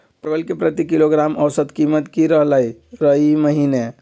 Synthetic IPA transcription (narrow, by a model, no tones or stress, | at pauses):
pɾəɡəlkepɾət̪ikiloɡɾaməwsəd̪kimət̪kiɾəɦləɾəiməɦine